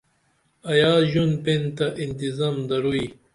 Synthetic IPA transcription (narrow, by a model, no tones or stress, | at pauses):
ɐjaːʑunpent̪aʔint̪izamd̪ɐɾui